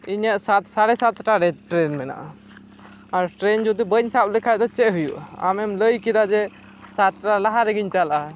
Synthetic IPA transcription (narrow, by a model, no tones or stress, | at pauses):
iɲəʔsat̪saɽɛsat̪ʈaɾɛʈɾɛnmɛna̰ʔa | aɾʈɾɛnd͡ʒud̪ubəɲsap̚likʰajd̪ɔt͡ʃɛʔɦujṵʔaa̰mɛmləjkid̪ad͡ʒɛ | sat̪ʈalaɦaɾɛɡiɲt͡ʃalʔa